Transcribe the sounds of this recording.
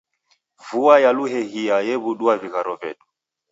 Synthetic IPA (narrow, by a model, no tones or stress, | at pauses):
vuajaluɦɛhiajɛβuɗuaviɣaɾɔvɛɗu̥